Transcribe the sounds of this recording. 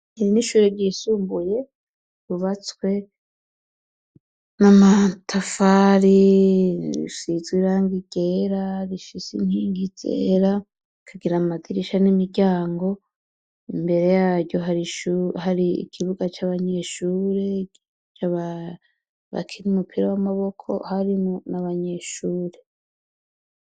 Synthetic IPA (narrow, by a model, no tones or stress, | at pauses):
iiniʃuːɾeɾɟiːsuːmbuje̞ | βuβat͡swe̞ | namatʰafaːɾi | ɾḭsizwiɾaːŋɡiɡ̥e̞ɾaɾifisḭn̥hiːŋɡizḛɾa | kʰaɡiɾamatiɾiʃanimiɟaːŋɡo̞ | imbe̞ɾe̞jaːɾɟo̞ɦaɾiʃuɦaɾiḭkʰiβuɡat͡ʃaːβaɲe̞ʃuːɾe | t͡ʃaβa | βa̰kʰiɾiumupʰiɾawamaβo̞kʰo̞̰haɾimonaβaɲe̞ʃuːɾe